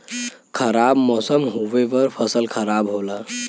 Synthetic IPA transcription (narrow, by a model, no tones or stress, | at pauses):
kʰəɾabmɔsəmɦoʋeʋəɾpʰəsəlkʰəɾabɦola